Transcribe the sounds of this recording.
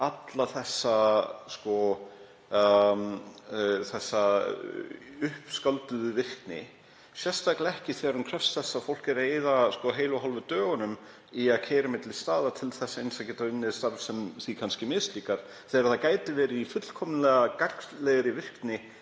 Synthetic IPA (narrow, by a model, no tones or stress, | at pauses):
at̪laθɛsːaskɔ | θɛsːa | ʏhpskalt̪ʏðʏvɪr̥knɪ̰ | sjɛst̪ajklɪɛhcɪθɛːaɾhʏnkʰɾɛfst̪θɛsːafowl̥kɪɾeːjðaskɔɦeːjlɔɦɔlvʏt̪œːɣʏnʏm | iaðcʰɛːjɾɪmɪt̪lɪst̪aːðat̪ʰɪlθɛsːaejnsacɛːt̪aʏnːɪst̪aɾvsɛmθikʰanscɪmɪst̪liːkaɾ̥ | θɛːɾθakaːjt̪ɪvɛːɾɪifʏt̪l̥kʰɔmnlɛɣakarkslɛɣɾɪvɪr̥knɪ